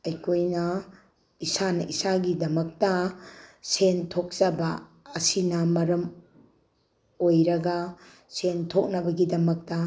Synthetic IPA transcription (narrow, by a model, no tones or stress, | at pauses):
ɐjkʰojnɐ | isanɐʔisaɡidɐmɐk̚tɐ | sentʰok̚zɐbɐːsinɐmɐɾɐm | ojɾɐɡɐ | sentʰok̚nɐbɐɡidɐmɐk̚tɐ